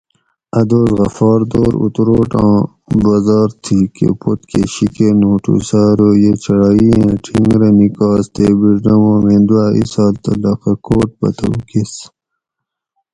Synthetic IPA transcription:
ɐd̪oːzɣɐfɑːɾd̪oːɾṵt̪ɾoːʈɑ̃ː | bɐzɑːɾt̪ʰikḛpot̪keɕikenoːʈṵsaːɾoːjet͡ɕɐɽɑːiẽʈʰĩŋɡɾɐmikɑːst̪eːbiɾɖɐwõːmẽːnd̪uaːḭsɑːlt̪ɐlɐqɐkoːʈ̚bɐ̰t̪ɐ̰wkes

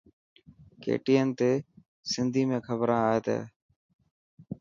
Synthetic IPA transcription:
kḛːʈiːənt̪eː | sɪnd̪ʱiːmẽːkʰəbɾãːeːt̪ḛː

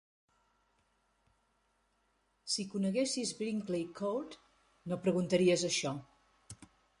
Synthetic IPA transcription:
sikunəɣesizbɾiŋklekʰot̪ | nopɾəɣunt̪əɾiəzəʃɔ

